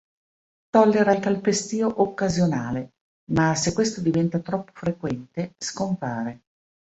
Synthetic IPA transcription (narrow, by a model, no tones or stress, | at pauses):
t̪ɔlːeɾailkalpest̪iːoʔokːazjonaːle | masekːwest̪od̪ivɛnt̪at̪ɾɔpːo̥fɾekwɛnt̪eskompaːɾe